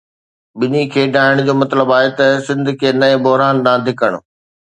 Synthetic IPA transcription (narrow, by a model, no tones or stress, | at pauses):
ɓɪnikʰeːɖʱaːɪɽ̃d͡ʑoːmɐt̪ləbaːɦet̪ɐsɪ̃nd̪ʱkʰeːnɐẽbɔɦɾaːnd̪ãːd̪ʱɪkəɽ̃ʊ̆